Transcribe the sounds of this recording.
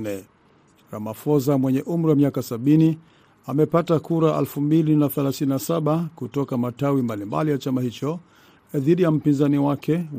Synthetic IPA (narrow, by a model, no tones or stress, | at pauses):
nɛ | ɾa̰mafɔzamwɛɲɛʔum̩ɾiwamiakasaɓini | amɛpatakuɾaʔa̰lfumbilinaθɛlaθininasaɓakutɔkamatawimbalimba̰lijat͡ʃamahit͡ʃɔ | ðiɗijam̩pinzaniwakʰɛ